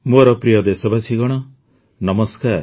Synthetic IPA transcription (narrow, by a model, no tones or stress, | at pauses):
muɾɔpɾijɔd̪esɔbasiɡɔɽ̃ɔ | nɔmɔskaɾ